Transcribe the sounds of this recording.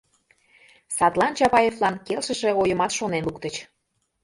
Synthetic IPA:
sɑt̪lɑnt͡ɕɑpɑjevlɑnkelʃəʃe̽ojəmɑt̪ʃonenluk̚t̪ət͡ɕ

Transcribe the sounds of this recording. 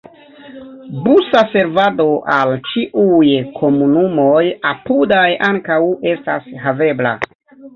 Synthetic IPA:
busase̞ɾvado̞ʔalt͡ʃiʔujkʰo̞munumo̞japudajaŋkawe̞stasɦave̞bla̰

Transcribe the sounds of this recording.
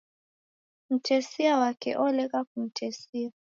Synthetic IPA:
m̩tʰɛsiawakɛ̰ʔɔlɛkak̚um̩tʰɛsia

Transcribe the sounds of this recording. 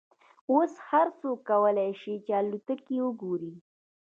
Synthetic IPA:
oshaɾsokːawəlajʃit͡ʃealut̪əkiwəɡoɾi

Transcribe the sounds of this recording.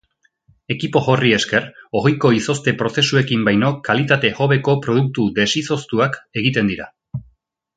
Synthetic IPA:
e̞kipo̞ʝo̞rie̞ske̞ɾo̞ɣojko̞iso̞st̪e̞pɾo̞se̞sue̞kimbajno̞kalit̪at̪e̞xo̞βeko̞pɾo̞ð̞uk̚t̪ud̪e̞siso̞st̪uake̞ɣ̞it̪e̞nd̪iɾa̰

